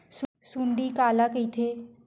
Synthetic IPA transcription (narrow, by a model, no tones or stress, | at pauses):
ssuɳɖikaːlakəit̪ʰe